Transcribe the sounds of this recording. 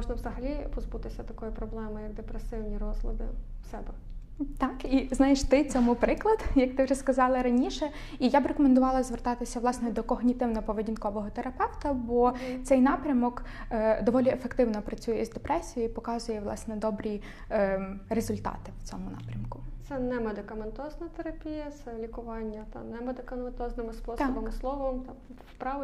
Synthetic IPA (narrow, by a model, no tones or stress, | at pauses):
mɔʒnɐʋzɐɦɐlʲipɔzbut̪ɪsʲɐt̪ɐkɔjʊpɾɔblˠɛmɪjɐɡ̚d̪epɾesɪwnʲiɾɔzɦlˠɐd̪ɪ̰ | wsɛbɛ | t̪ɑkiznɑjeʃt̪ɪt͡sʲɔmupɾɪklˠɐd̪jɐk̚t̪ɪwʐɛskɐzɑlˠɪɾɐnʲiʃɛ | ijabɪɾekɔmend̪ʊʋɑlˠɐzʋert̪ɑt̪ɪsʲɐʋlˠɑsnɛd̪ɔkɔɦnʲit̪ɪwnɔɔpɔʋedʲinkɔʋɔɦɔt̪eɾɐpɛwt̪ɐbɔt̪sɛjnɑpɾʲɐmɔkːd̪ɔʋɔlʲiefekt̪ɪwnɔpɾɐt͡sʲujɛzd̪epɾɛsʲijipɔkɑzʊjɛʋlˠɑ̰snɛd̪ɔbɾʲi | ɾezʊlʲt̪ɑ̰t̪ɪwt͡sʲɔmʊnɑ̰pɾʲɐmkʊt̪sɛnɛmed̪ɪkɐment̪ɔznɐt̪eɾɐpʲijɐt̪sɛlʲikʊʋɑnʲːɐt̪ɐ̰nɛmed̪ɪkɐment̪ɔznɪmɪspɔsɔbɐmɪslˠɔʋɔmt̪ɑm | pɾɑʋ